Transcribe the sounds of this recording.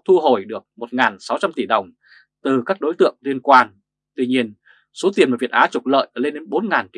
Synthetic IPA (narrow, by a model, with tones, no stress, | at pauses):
t̪ʰu˧ɦo˧˩jɗɨ˨˩ək̚mo˨˩t̚ŋaː˨˩nsa˨˦wt͡ɕa˧mt̪i˧˩ɗə˨˩wŋ͡m | t̪ɨ˨˩kaː˦˥k̚ɗo˨˦jt̪ɨ̰˧˨əŋli˧ənkwaː˧n | t̪wi˧ɲi˧ən | so˨˦t̪i˨˩ənmaː˨˩vi˨˩ət̚ʔaː˨˦t͡ɕʊ˨˩k͡p̚lə̰ː˧˨jʔle˧nɗe˨˦nɓo˨˦nŋaː˨˩nt͡ɕi˧˨